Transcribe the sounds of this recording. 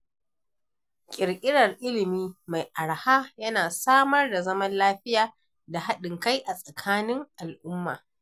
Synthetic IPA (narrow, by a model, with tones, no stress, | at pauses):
kʲʼɪ˨ɽkʲʼɪ˦ɽɐ˨rʔɪ˦lɪ˨miː˦ma˨jʔa˨ɽha˦jɐ˦naː˨saː˦mɐ˦rda˨zɐ˦mɐ˦nlaː˦ɸɪ˦jaː˨ | da˨ha˦ɗɪ˨ŋka˦jʔa˨sʼɐ˨kʰaː˦nɪ˦ŋʔa˨lʔʊ˦mːa̰ː˨